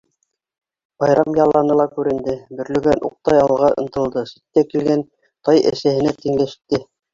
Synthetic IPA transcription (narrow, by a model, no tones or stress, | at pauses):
bɑjɾɑmjɑlˠːɑnɤlˠɑkʉɾɘ̆nd̪ɘbɵ̆ɾlɵ̆ɡænʔṵq̚t̪ɑjɑlˠʁɑʔɤ̆nt̪ɤ̆lˠd̪ɤsit̪ːækilɡæn | t̪ɑjɘ̰̆sæhɘ̆næt̪iŋlæʃt̪ːɘ